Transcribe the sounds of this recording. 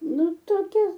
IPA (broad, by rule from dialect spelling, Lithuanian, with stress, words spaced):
ˈnʊ toːˈkʲɛ